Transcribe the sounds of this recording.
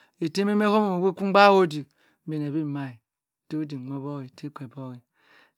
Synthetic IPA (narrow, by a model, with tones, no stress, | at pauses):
e˨te˦me˦me˦ko˦mo˨o˨we˦ku˦ɡ͡ba˦wo˦di˨˦ | be˨n˨e˨bi˦˨ma˦i˨ | to˦di˨ŋʷo˦bo˦ɣi˨te˦ke˨bo˦ɣi˨